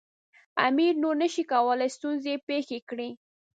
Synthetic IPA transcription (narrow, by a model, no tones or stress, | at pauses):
a̰miɾnoɾnəʃikawəlajst̪unzepexekɽi